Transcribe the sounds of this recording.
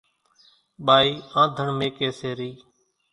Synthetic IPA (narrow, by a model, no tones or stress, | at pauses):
ɓaːiːãːd̪ʱəɳmẽːkeːseːɾiː